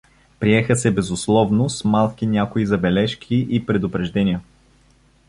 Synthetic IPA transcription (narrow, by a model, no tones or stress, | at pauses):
pɾiɛxəsɛbɛzʊslˠɔvnʊsmalˠkinʲakʊizɐbɛlɛʃkʲʰiʔipɾɛd̪ʊpɾɛʒd̪ɛnʲijə